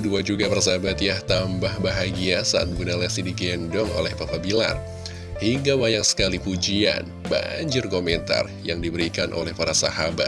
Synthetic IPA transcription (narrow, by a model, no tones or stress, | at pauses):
duad͡ʒuɡabərs̬abat̪iaht̪ambahbaɦaɡiasaːt̪̚iɡunalasidiɡɛndɔŋo̰lɛhpapabila̰r | hiŋɡawajaŋsə̥kalipud͡ʒia̰n | ba̰ɲd͡ʒɪrkomɛnt̪a̰r | jaŋdibəɾikanʔo̰lɛhpaɾasa̰habat̪̚